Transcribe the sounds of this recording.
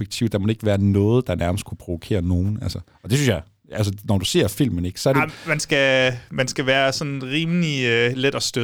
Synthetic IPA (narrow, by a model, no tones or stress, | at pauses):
eɡ̥̚t͡sʰḭʊ̰d̥ɑ̈mɒde̝ɡ̥əʋæːɐnɔ̽ːð̞̩ˠd̥ɑ̈næɐməsd̥kʰupʰʁo̝ʋokʰe̝̰ːɐno̝ːn̩ælsəɒ̽d̥e̝synsjɑ̈ɪ | æls̬ənɒd̥use̝̰ɐfil̰mən̩e̝ɡ̥sɒ̽æɐɾ̥emænsɡ̥æmænsɡ̥æʋæːɐsɒ̽nʁiːmliøled̥ɒsd̥ø